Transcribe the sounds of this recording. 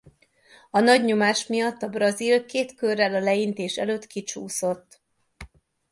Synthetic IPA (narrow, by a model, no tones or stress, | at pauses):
ɒnɒɟɲo̞maːʃmijɒt̪ːɒbrɒzilkeːt̪kørːɛlɒlɛint̪eːʃɛ̰løːt̪kit͡ʃuːso̞t̪ː